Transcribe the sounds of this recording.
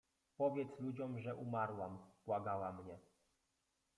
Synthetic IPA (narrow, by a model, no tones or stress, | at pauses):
pɔvʲjɛt̪slud͡ʑɔmʐɛʔumaɾwamb̥waɡawamɲɛ